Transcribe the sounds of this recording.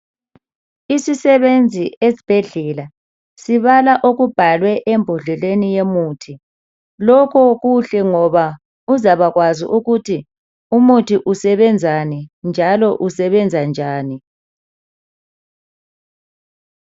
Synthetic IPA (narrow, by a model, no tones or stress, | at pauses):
isisɛβend͡zʱiezib̥ʱɛɮɛla | siβalaʔoɣub̥ʱalwɛʔembʱɔɮɛlenijemuːtʰi | lɔkʰɔɣuɬɛŋɔβa | uzaβaɣwazḭʔuɣutʰi | umutʰiʔusɛβɛnd͡zʱanind͡ʒʱalɔʔusɛβɛnd͡zʱand͡ʒʱaːni